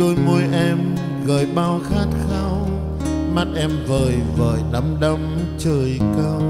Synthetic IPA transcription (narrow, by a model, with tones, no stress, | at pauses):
o˧jmu˧jʔɛ˧m | ɣə̰ː˨˩jɓaː˧wxaː˦˥t̚xa˧w | ma˦˥t̚ʔɛ˧mvəː˨˩jvə̰ː˨˩jɗə˨˦mɗə˧m | t͡ɕəː˧˩jkə˧w